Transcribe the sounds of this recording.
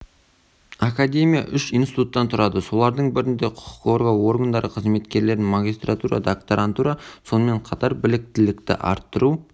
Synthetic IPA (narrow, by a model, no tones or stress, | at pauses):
akad̪ʲe̞mʲija̰ʔʏʃijnsi̥t̪ut̪ːɑnt̪ʰʊɾɑd̪əso̞lˠɑɾd̪əɴbɪɾɪnd̪e̞qʰʊ̥qʰʊ̥qo̞rɡawo̞rɡand̪ɑɾʔəqʰəzme̞t̪kʲe̞ɾle̞ɾɪnmaɡʲist̪rat̪uɾa̰d̪akt̪oɾʔant̪uɾaso̞nəme̞ɴqʰɑt̪ɑɾbɪlɪk̚t̪ɪlɪkt̪ɪ̰ʔɑ̰ɾt̪ːəɾu